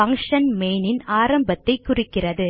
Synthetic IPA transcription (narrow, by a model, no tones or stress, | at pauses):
ɐŋʂɐnmeːnɪnaːɾɐmbɐt̪ːɐɪkːʊrɪkːɪrɐðɯ